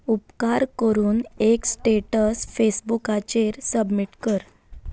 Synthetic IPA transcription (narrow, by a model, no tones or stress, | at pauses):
upkaɾkəɾuːneksʈeʈəsfesbukat͡ɕeɾsəbmiʈkəɾ